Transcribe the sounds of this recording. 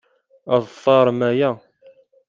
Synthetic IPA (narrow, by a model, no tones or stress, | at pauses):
ɑðˤθˤɑɾˤmæjæ